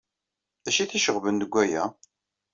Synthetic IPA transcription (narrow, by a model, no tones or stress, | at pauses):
æʃiθiʃəʁvənd̪əɡʷːæjæ̰